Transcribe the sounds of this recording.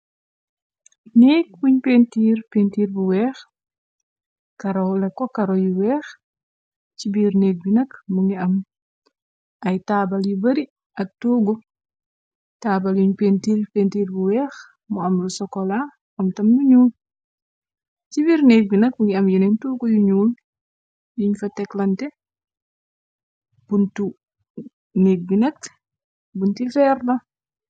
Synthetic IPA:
neːk̚wuɲpentiːɾpentiːɾbuwɛːx | kɐɾɔlɛkːɔkɐɾɔjiwɛːx | t͡ʃibiɾneːk̚binɐkmuŋiɐm | ɐjtabɐljibɐɾi | ʔɐk̚tuːɡɔ | tabaljuɲpentiɾpentiːɾbuwɛːx | muɐmlusɔkɔla | ɐmtɐmjuɲuːl | t͡ʃibiɾnek̚binɐk̚muŋɡiɐmjinɛɲtuɡojuɲuːl | jiɲfɐtɛklɐntɛ | b̥untu | nek̚binɐk̚ | buntifɛɾlɐ

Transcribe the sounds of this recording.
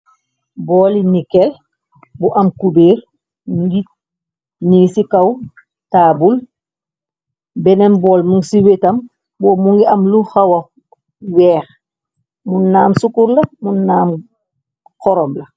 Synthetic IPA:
bɔːlinikel | buʔɐmkubeːɾ | uɡi | nisikaw | taːbul | benembɔːlmuŋɡsiwetɐm | boːmuŋɡiɐmluxawa | wɛːx | munːaːmsukuɾlɐmunːaːm | kɔɾomlɐ

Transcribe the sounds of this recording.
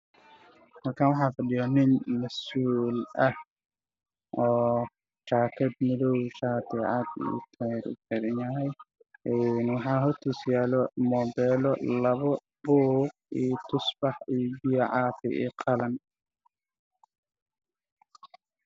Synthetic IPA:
mɐrkʰaːnwɑħɑːfɐɖɪjɔnɪnmɐsuːlɐh | ʔɔː | ʃaːkʰɐd̪mɪðɔwʃaːt̪ʰɛʕɑd̪ḭːt̪ʰɛɾʊ̰kʰɛɾɛnjɐɦɛj | ʔɛnwɑħɑːɦɔrt̪ʰisjaːlɔmɔːdɛːlɔlɐβɔ | bɔːɡ̚ | ijt̪ʰʊsbɑħibɪjʕɑːfɪ̰ɛ̰ːqʰɑlɐn

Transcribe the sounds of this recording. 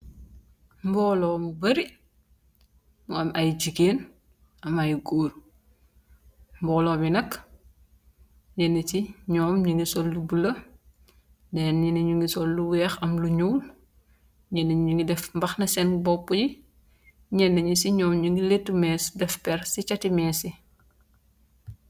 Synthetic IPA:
mbɔːlɔːmubɐɾi | muɐmɐjɟiɡeːn | ʔɐmɐjɡoːr | mbɔːlɔːbinɐk | ɲɛnːətiɲɔːmɲuŋɡisɔlːubulɐ | dɛːnɛnɐɲuŋɡisɔlːuwɛːxɐmluɲuːl | ɲɛnːɐɲɲuŋɡidɛfmbɐxnɐsɛnbɔpːuji | ɲɛnːɐɲusiɲɔːmɲuŋɡiletːumɛːsdɛfpɛɾsit͡ʃɐtimɛːsi

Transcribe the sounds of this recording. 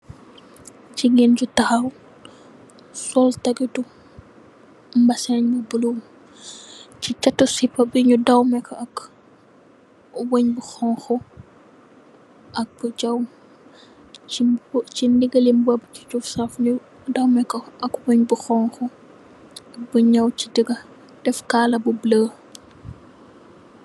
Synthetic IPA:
t͡ʃiɡind͡ʒutɐxɐw | sɔltɐɡitu | mbɐsɛɲbɐbulum | t͡ʃit͡ʃɐtːusipːɐbiɲudɐwmɛkɐk | wɔɲbuxɔːŋxɔ | ʔɐk̚b̥uɟɐw | t͡ʃindiɡɐlimbɔbt͡ʃi̥t͡ʃufsɐfɲu | dɐwmɛkɔʔɐkwoɲbuxɔŋxɔ | buɲɐwt͡ʃidiɡɐ | d̥ɛfkaːlɐbubləː

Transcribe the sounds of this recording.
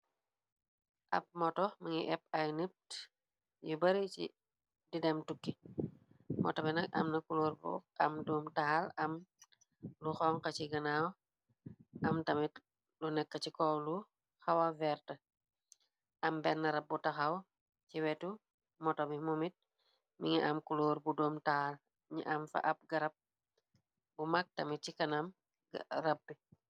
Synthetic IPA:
ʔɐ̰p̚mɔtɔmɐŋiʔɛp̚ajnip̚ | jubɐɾit͡ʃḭ | didɛmtukːi | mʔɔ̰tobinɐk̚ɐ̰mnɐkuluːɾbṵɐmduːmtahalɐm | luxɔŋkɐt͡ʃiɡɐnaw | ʔɐmtɐmit | lunɛkːət͡ʃikɔlu | xɐwavɛɾtə | ʔɐmbɛnːɐɾɐb̚ːutɐxaw | t͡ʃiwɛtu | mɔtɔbimumit̚ | miŋiʔamkuloːɾbudoːmtaːl | ɲḭʔamfɐ̰ʔɐp̚ɡɐɾɐp̚ | bumak̚tɐmit̚cikɐnam | ɾɐbːi

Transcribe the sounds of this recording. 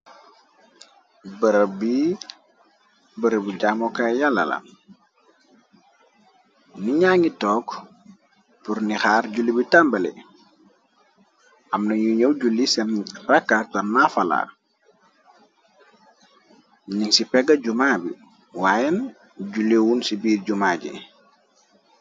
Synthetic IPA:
bəɾbi | bəɾəbiɟaːmokajalːa̰la̰n | niɲaŋitɔːk | puɾnixaːɾɟulibitambɐlḛ | ʔamnɐɲuɲowɟulːisɛnrakːatanːafala̰ː | ɲiŋsipɛɡaɟumaːbḭ | waːjen | ɟulewunsibiːrɟumaɟḭ

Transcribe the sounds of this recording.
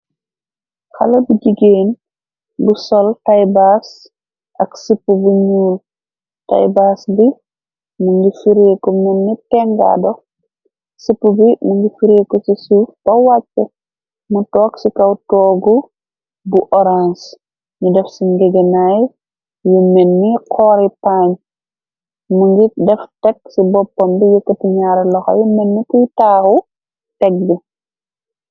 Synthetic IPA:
xa̰lɐbiɟiɡeːn | busɔltajbas | ʔɐksipːubuɲuːl | ta̰jbasbi | muŋɡifiɾeːkɔmɛnːitɛŋɡa̰dɔ | sipːubimuŋɡifiɾekɔsisuːfb̥ɐwat͡ʃːɛ | mutɔːksikɐwtɔːɡu | buʔɔɾans | ɲudɛfsiŋɡɛɡenaj | jumɛnːiqʰɔːɾipaɲ | muŋɡidɛftɛksibɔpːɔmbijəkːətiɲaɾɛlɔxɐ̰jumɛnːikujtaːxu | tɛk̚bi

